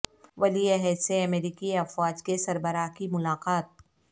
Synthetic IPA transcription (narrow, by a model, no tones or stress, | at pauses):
ʋɐlieɦɛːseɐmeːɾiːkiɐfwaːd͡ʒkesɐɾbəɾakimʊlaːqaːt̪̚